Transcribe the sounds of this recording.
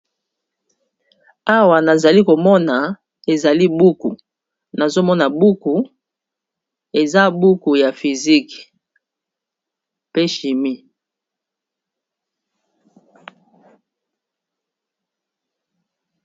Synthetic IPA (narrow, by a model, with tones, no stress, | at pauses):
a˦wa˨na˨za˨li˦ko˨mɔ˦na˨ | e˨za˨li˦bu˦ku˨ | na˨zo˦mɔ˦na˨bu˦ku˨ | e˨za˦bu˦ku˨ja˨fi˨zi˦k | pe˦ʃi˨mi˦